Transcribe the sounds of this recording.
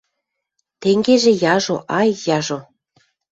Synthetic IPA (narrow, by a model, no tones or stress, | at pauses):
t̪eŋɡeʒĕjɑʒoʔɑjːɑʒo